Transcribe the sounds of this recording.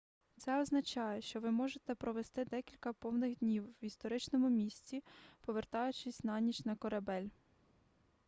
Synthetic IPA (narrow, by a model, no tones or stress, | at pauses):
t̪sɛɔznɐt͡ʃɑjɛʃt͡ʃɔʋɪmɔʒet̪ɛpɾɔʋest̪ɪd̪ɛkʲilʲkɐpɔwnɪɣd̪ʲnʲiwist̪ɔɾɪt͡ʃnɔmʊmʲisʲt͡sʲipɔʋert̪ɑjʊt͡ʃɪsʲnɑnʲit͡ʃnɐkɔɾɐbɛlʲ